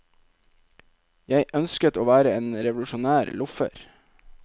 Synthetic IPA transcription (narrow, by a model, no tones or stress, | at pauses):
jæɪʔœnskət̪oːʋæːɾəeːnɾɛʋlʉʃʊnæːɾlʊfə̰ɾ